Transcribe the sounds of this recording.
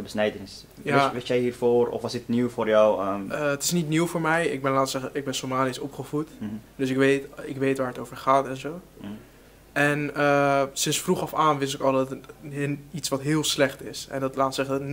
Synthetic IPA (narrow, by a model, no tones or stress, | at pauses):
təbəsnɛjdənɪs | jaʋɪsjɛjɦiːɹfoːrɔ̰fʋɔsdɪtniwfoːɹjɔwəətɪ̥snitniwfoːɹmɛjɪ̰k̚bɛnlaːtsɛχəɪɡ̚bɛnsomaːnɪsɔpχəfutdøs̬ɪkʋetɪkʋeːtʋaːɹətoːvəɹχaːtɛnzoː | ʔɛnəsɪnsfruχɔfaːnʋɪs̬ɪkɔlˠdɔt | itsʋɑtɦɪːəlˠslɛχtɪsɛ̰ndɔtlaːtsɛχən